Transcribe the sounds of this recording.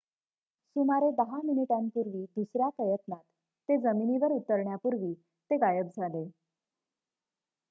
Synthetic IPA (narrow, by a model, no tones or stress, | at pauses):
sumaɾeb̪əɦaminiʈampuɾʋiːd̪usɾjapɾəjət̪nat̪ː | ed͡zəminiʋəɾut̪ːəɾɳjapuɾʋiː | t̪eɡajəb̚d͡zʱale